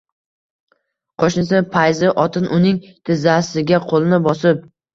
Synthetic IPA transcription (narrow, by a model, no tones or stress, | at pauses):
qʰoʃnɪs̬ɪpʰajzɪʔɒt̪ʰɪnʔʊnɪŋt̪ʰɪzasɪɡʲaqʰolˠɪnɪbɒsɪp̚